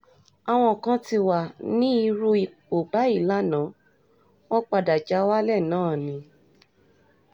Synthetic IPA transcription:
a˨w̃ɔ̃˧˨kã˦ti˧wa˨nĩ˦i˧ɾu˦i˨k͡po˨ba˨˦i˦˨la˦nã˨˦ | w̃ɔ̃˦k͡pa˧da˨d͡ʒa˧˦wa˦lɛ˦˨nãː˦˨nĩ˧˦

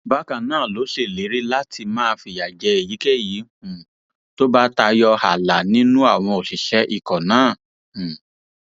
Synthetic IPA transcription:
ba˦kã˨nãː˦˨lo˨˦se˦˨li˨˦ɾi˦la˦tʰi˧mãː˦˧fi˧ja˨d͡ʒɛ˨˧˦e˨ji˨˦ke˦˨jĩ˨˦˨ | to˦ba˦ta˧jɔ˧ha˨la˨nĩ˦nũ˦a˦˨w̃ɔ̃˧o˨si˨ʃɛ˨˦ʔi˦˨kɔ˨nãː˨˦˨

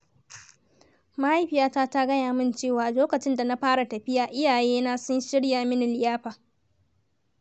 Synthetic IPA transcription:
ma˦ha˦jɸɪ˨jaː˦taː˦ta˦ɡɐ˦jaː˨mɪ˦nt͡ʃeː˦˨waː˨loː˦kɐ˨t͡ʃɪ˦nda˨na˦ɸaː˦ɽa˨tɐ˨ɸɪ˦jaː˨ʔɪ˦jaː˨jeː˦na˦sʊ˦nʃɪ˦ɽjaː˨mɪ˦nɪ˨lɪ˨jaː˦ɸaː˨

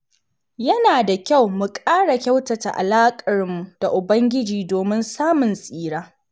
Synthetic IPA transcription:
jɐ˦naː˨da˨kʲa˦˨wmu˨kʼaː˦ɽa˨kʲɐ˦wtɐ˨ta̰˨ʔa̰˨laː˦kʼɐ˨ɽmːu˨d̥a˨ʔʊ˨bɐ˦ŋɡʲɪ˦d͡ʒiː˨doː˨mɪ˦nsaː˦mʊ˨nsʼiː˦ɽaː˦

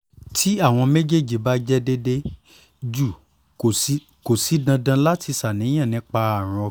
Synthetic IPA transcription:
tʰi˦a˦˨w̃ɔ̃˧me˦d͡ʒe˦˨d͡ʒi˨ba˦d͡ʒɛ˦de˦de˦ | d͡ʒu˦˨˦ | ko˨si˨˦dã˧dã˧la˦ti˧sa˨nĩ˨˦ã˦˨nĩ˨˦k͡pa˧a˦˨ɾ̃ɔ̃˧

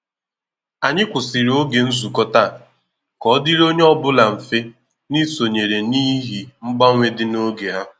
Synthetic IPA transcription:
a˨ɲɪ˦kʷʊ˨si˨ɾo˦ɡe˨n̩˦zu˨kɔ˦ta˦˨ | kɔ˨˦dɪ˦ɾo˦ɲe˦ɔ˦bʊ˦la˨m̩˨fe˦ | ni˦so˨ɲe˨ɾe˨niː˦ɦi˨ŋ͡m̩˦ɡ͡ba˦ŋʷe˦dɪ˦no˦ɡe˨ɦa˦ʊ˨

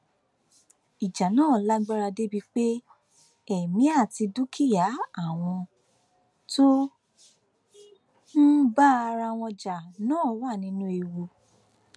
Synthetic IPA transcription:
i˨d͡ʒa˨nãː˦˨la˦ɡ͡ba˦ɾa˧de˦bi˧k͡pe˦ | ɛ˨mĩ˨˦a˦˨ti˧du˦kʰi˦˨ja˨˦a˦˨w̃ɔ̃˧ | to˦ | n̩˦ba˦a˧ɾa˧w̃ɔ̃˧d͡ʒa˨nãː˨˦˨wa˦˨nĩ˧˦nũ˦e˧wu˧

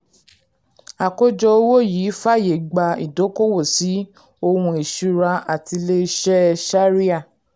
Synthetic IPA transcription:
a˨ko˦d͡ʒɔ˧o˦wo˦˨jiː˨˦fa˦˨je˨ɡ͡ba˧ḭ˨do˨˦ko˦wo˦˨si˨˦ | o˧wũ˧e˨ʃu˧ɾa˧a˨ti˧le˧˦ʃɛ˦ʃa˦ɾi˦a˦˨

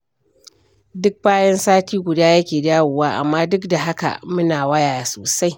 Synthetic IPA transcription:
dʊ˦k̚baː˦jɛ˦nsaː˦tiː˦ɡʷʊ˨daː˦jɐ˦kʲeː˨daː˦wʊː˨waː˦ʔa̰˨mːaː˦dʊ˦kda˨ɦa˦ka̰˨mʊ˦naː˨wɐ˦jaː˨ja˨soː˨sa˦j

